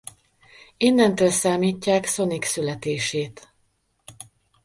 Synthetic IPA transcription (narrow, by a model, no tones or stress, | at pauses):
inːɛnt̪øːlsaːmiːcːaːkso̞niksylɛt̪eːʃeːt̪